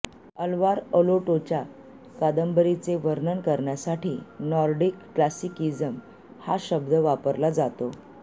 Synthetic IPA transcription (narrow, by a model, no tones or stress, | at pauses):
əlʋaɾəloʈot͡ɕja | kad̪əmbəɾit͡seʋəɾnəɳkəɾɳjasaʈiːnɔɾɖikːlasikid͡zəm | haɕəb̚d̪ʱəʋapəɾlad͡zat̪o